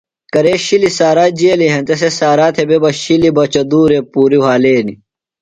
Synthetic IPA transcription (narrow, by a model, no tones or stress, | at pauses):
kɐɾeːɕilisaːɾaːd͡ʑiɐliɦɐnt̪ɐs̬esaːɾaːt̪ʰebebɐɕilibɐt͡ɕɐd̪uːɾepuːɾiwaːleːni